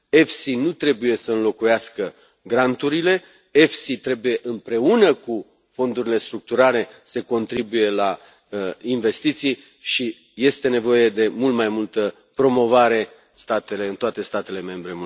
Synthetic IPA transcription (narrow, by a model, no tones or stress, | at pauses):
e̞fsinut̪ɾe̞buje̞səɨnlo̞kujaskə | ɡɾant̪uɾile̞ | e̞fsit̪ɾe̞buje̞ʔɨmpɾe̞unəku | fo̞nd̪uɾile̞st̪ɾuk̚t̪uɾale̞se̞ko̞nt̪ɾibuje̞la | inve̞st̪it̪sij | ʃi | je̞st̪e̞ne̞vo̞je̞d̪e̞mult̪majmult̪ə | pɾo̞mo̞vaɾe̞ | st̪at̪e̞leɨnt̪oat̪e̞st̪at̪e̞le̞mẽ̞mbɾe̞m